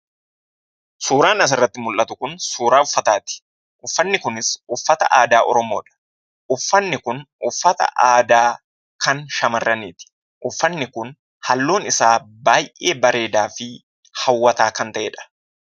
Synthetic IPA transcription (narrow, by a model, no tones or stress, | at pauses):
suːɾaːnɐs̬ɪrːɐt̪ːɪmʊlʔɐt̪ʊkʊnsuːɾaːʊfːɐt̪aːt̪ɪ̥ | ʔʊfːɐnːɪkʊnɪsʊfːɐt̪ɐ̰ʔaːd̪aːʔɔ̰ɾɔmoːᶑɐ̥ | ʔʊfːɐnːɪkʊn | ʊfːɐt̪ɐ̰ʔaːd̪aː | kɐnʃɐmɐrːɐniːt̪ɪ̥ | ʔʊfːɐnːɪkʊn | hɐlːo̞ːnɪsaːbaːjʔeːbɐɾe̞ːd̪aːfɪ | hɐwːɐt̪aːkɐnt̪ɐʔeːᶑɐ̥